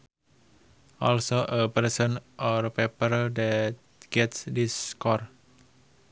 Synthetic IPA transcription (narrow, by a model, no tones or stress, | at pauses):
ʔɔlsoʔəpərsə̃nʔɔrpepəɾdɛt̪̚ | ɡ̥ɛtsdiskɔr